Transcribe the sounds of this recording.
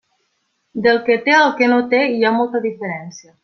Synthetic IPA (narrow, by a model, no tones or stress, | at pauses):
d̪elˠket̪eəlˠkenot̪eiamolˠt̪əðifəɾɛnsiə